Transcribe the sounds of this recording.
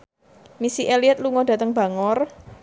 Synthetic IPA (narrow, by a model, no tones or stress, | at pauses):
misiʔeliɛt̪̚luŋɔɖä̤t̪əŋb̥a̤ŋɔr